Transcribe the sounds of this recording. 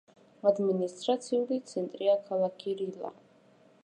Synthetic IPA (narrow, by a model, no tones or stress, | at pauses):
ad̪minist̪ʼɾat̪sʰiulit̪sʰɛnt̪ʼɾiakʰalˠakʰiɾila̰